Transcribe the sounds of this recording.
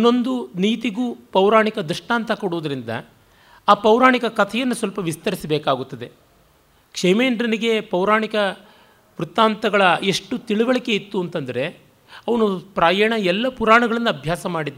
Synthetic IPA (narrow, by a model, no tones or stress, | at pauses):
inːo̞nd̪uniːt̪iɡuːpɐwɾaːɳikɐd̪uʂʈaːnt̪ʰɐkoɽuʋud̪ɐɾind̪ɐ̰ | aːpɐwɾaːɳikɐkɐt̪ʰɛjɐnːusʋɐlpɐʋist̪ɐɾisɐbɛːkaːɡut̪ːɐd̪e̞ | kʂemeːɳɖɾɐniɡe̞pɐwɾaːɳikɐ | ʋɾut̪ːaːnt̪ɐɡɐɭɐeʂʈut̪iɭuʋɐɭike̞it̪ːuɐnt̪ɐnd̪ɐɾe̞ | ɐʋɐnupɾaːjɛːɳɐɛlːɐpuɾaːɳɐɡɐɭɐnːuɐbʱjaːsɐmaːɽid̪